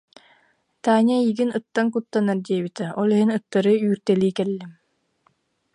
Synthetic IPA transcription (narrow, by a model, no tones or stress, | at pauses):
t̪aːnʲaiːɡinɯt̪ːaŋkut̪ːanaɾd̪iɛbit̪ɛɔlˠiɦinɯt̪ːaɾɯyːɾt̪ɛliːkɛlːim